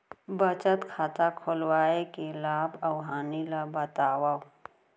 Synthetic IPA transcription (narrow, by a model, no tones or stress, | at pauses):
bət͡ʃət̪kʰaːt̪akʰolwaːekelaːbɐwɦaːnilabət̪aːwa